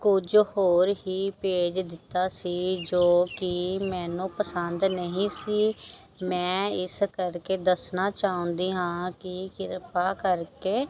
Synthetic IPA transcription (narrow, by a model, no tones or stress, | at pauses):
kʊd͡ʒhoːɾɦiːpeːd͡ʒd̪ɪt̪ːaːsiːd͡ʒoːkimɛ̃ːnũːpəsənd̪nəɦĩːsiː | mɛ̃ːɪskəɾkeːd̪əsnaːt͡ʃaːɦʊ̃nd̪iːɦãːkɪkɪɾpaːkəɾkeː